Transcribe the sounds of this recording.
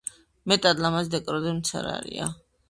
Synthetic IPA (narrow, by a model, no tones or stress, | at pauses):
mɛt̪ʼad̪lamazd̪ɛkʼɾɔd̪imt̪sʰa̰ɾa̰ɾia̰